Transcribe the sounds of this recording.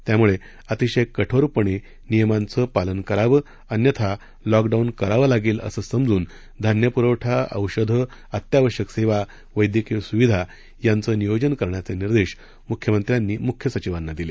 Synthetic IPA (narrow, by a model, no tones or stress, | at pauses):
t̪jamuɭe | ət̪iɕəjkːəʈʰoɾpəɳe | nijəmant͡səpalənkəɾaʋə | ənjət̪ʰa | lɔkɖaunkəɾaʋəlaɡiːlə̰səːsəmd͡zuːn | d̪ʱanjəpuɾəwʈʰaə̰wɕəd̪ʱə | ət̪jaʋəɕəkseʋa | ʋəjd̪jəkəsuʋid̪ʱa | jant͡səːnijod͡ʑənkəɾɳjat͡seniɾd̪eɕ | mukʰjəmənt̪ɾjanːiːmukʰjəsət͡ɕiʋanːad̪ile